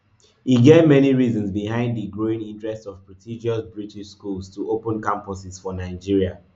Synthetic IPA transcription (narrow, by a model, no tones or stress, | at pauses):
iɡevmɛniɹizɔ̃nzbihãɪ̃ndðəɡɹoɪ̃ŋĩntɹɛstsɔv̥pɹɔtʰid͡ʒiɔsbɹitiʃskulˠztuʔopə̃nkãmpɔsɪz̥fɔnaɪd͡ʒiɹia